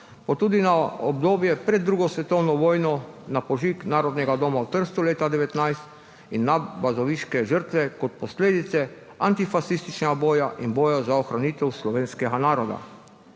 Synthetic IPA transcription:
pɔt̪uːd̪inaɔbd̪oːbjɛpɾɛd̪ːɾuːɡɔsʋɛt̪ɔwnɔʋɔːjnɔnapɔʒiːknaːɾɔd̪nɛɡad̪ɔːmawt̪əɾst̪uleːt̪ad̪ɛʋɛt̪najst̪ | inːabazɔʋiʃkɛʒəɾt̪ʋɛkɔt̪̚pɔsleːd̪it̪sɛ | ant̪ifaʃist̪it͡ʃnɛɡaboːjaʔinbɔːjazaɔxɾaniːt̪ɛwslɔʋeːnskɛɡanaːɾɔd̪a̰

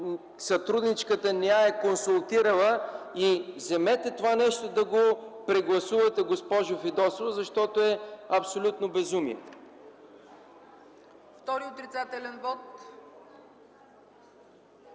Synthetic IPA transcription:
sɐt̪ɾud̪nit͡ʃkət̪ənɛaɛkonsulˠt̪iɾəlˠəizɛmɛt̪ɛt̪ovanɛʃt̪od̪ɐɡopɾɛɡlˠɐsuvɐt̪ɛɡospɔʒʊfid̪ɔsovzɐʃt̪ɔt̪oɛɐpsolʲut̪nobɛzumiɛ̰ | ft̪ɔɾiot̪ɾit̪sat̪ɛlʲɛnvɔt̪

